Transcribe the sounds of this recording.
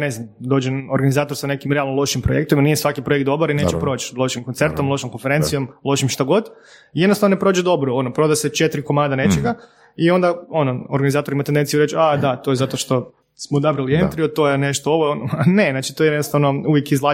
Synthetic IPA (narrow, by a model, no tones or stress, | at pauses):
neznamd̪o̞ːd͡ʒenoɾɡanizaːt̪o̞ɾsanekimɾealˠnolˠo̞ʃimpɾojekt̪oʋimanijesʋakipɾojek̪t̪d̪o̞boɾinet͡ʃepɾot͡ʃlo̞ʃimkont̪se̞ɾt̪o̞mlo̞ʃomkonfeɾe̞nt̪sijo̞mlˠo̞ʃimʃt̪aɡo̞d̪ | ijed̪nost̪aʋnpɾoːd͡ʒed̪o̞bɾoonopɾo̞d̪aset͡ʃet̪ɾiko̞maːd̪ane̞t͡ʃeɡa | io̞nd̪ao̞noo̰ɾɡanizaːt̪oɾimat̪end̪ensijuɾet͡ʃad̪at̪ojezat̪oʃt̪o̞ | smod̪abɾilient̪ɾiod̪̚t̪ojeneʃt̪oo̞ʋonane̞naːt͡ʃit̪ojeenost̪aʋnouʋjekizlˠaː